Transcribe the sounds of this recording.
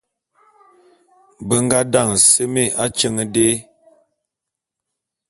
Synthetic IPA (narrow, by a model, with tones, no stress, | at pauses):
bə˦ŋ˦ɡa˦da˦˨ŋ˨sə˦me˦˨a˦t͡ʃə˦ŋə˦de˦